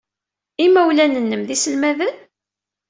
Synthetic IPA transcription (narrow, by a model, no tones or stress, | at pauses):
imæwlænənːəmðisəlmæðən